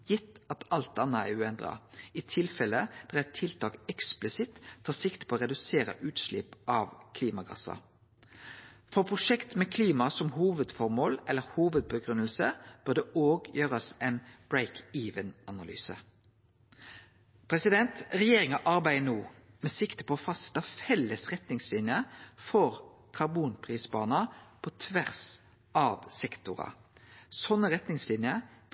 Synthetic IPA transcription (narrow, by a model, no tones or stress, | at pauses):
jɪt̪ːɑt̪ɑlt̪̚d̪ɑnːəæ̰ʉːɛnd̪ʁɑ̰it̪ʰɪlfɛləd̪̥æʁæt̪ʰːɪlt̪ʰɑːkɛksplɪsɪt̪ʰːɑːsɪkt̪pʰoːoːʁɛd̪ʉseːɾə̰ʔʉːt̪ʃlɪpʔɑʋkʰliːmɑɡɑ̰sɑ̰ | fɔʁpʰʁʊʂɛkt̪mɛkʰliːmɑsɔmhuːʋəd̪fɔʁmoːlɛlːəʁhuːʋəd̪̚bəɡʁʉnəlsəb̥œːd̪ɛʔoːɡjøːʁəsɛɪnb̥ɹeɪkʰiːʋənɑnɑly̰ːsə̰ | pʰʁɛsɪd̪ɛnt̪ʁɛjeːʁɪŋɑʔɑʁbæɪənuː | mɛsɪkt̪ə̥pʰɔɔfɑst̪ɑfɛlːəsʁɛt̪nɪŋslɪnjəfɔʁ | kʰɑʁbuːnpʰʁiːsbɑ̰ːnɑpʰɔt̪ʰʋæʁs | ɑːʋsɛkt̪ʊʁɑ̰sɔnːəʁɛt̪nɪŋslɪnjə